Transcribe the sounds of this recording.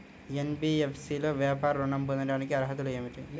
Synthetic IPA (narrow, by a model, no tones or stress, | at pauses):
enbiːefʰsiːloːʋjaːpaːɾɐluɳɐmbunɐɖaːnikiɐɾɦɐt̪ulueːmiʈi